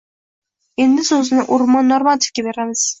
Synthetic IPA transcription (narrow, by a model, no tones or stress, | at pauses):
e̞nd̪ɪsɵzɪnɪʔʊɾmɒnːoɾmat̪ʰɪ̥fkʲabe̞ɾamɪz̥